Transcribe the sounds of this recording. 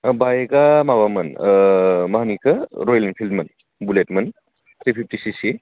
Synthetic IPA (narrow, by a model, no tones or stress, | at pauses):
bajɡamaβamɐn | mɐɦanikʰɯɾɔjlenpʰild̚mɐn | buletmɐn | t̪ʰɾipʰip̚tisisi